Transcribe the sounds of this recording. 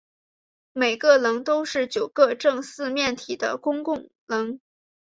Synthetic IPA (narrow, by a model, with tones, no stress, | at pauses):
me˨˩ɪɡə˥˧lɤ˧˥ŋt̪o˥ʊʂɻ̩˥˩t͡ɕjo˨˩ʊkɤ˥˧ʈ͡ʂɤ˥˧ŋsɹ̩˥˧mjɛ˥˩nt̪ʰi˨˩d̪ə̰˦kʊ˥ŋkʊ˥˩ŋ | lɤ˧˥ŋ